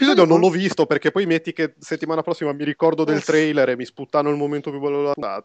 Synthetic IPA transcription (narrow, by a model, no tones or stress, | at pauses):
pizɔːd̪jonõnlɔvist̪operkepːɔjmet̪ːikeset̪ːimaːnapɾɔsːimamiɾikɔrd̪od̪elt̪ɾɛjleɾemisput̪ːanːoilmoment̪opjubɛlːoaa̰ːt̪